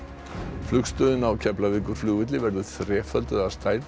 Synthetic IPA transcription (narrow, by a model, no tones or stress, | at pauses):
flʏkst̪œðɪnawcʰɛplavɪkʏɾ̥fluvɪt̪̬lɪvɛɾðʏθrɛːfœlt̪ʏðast̪aːjɾ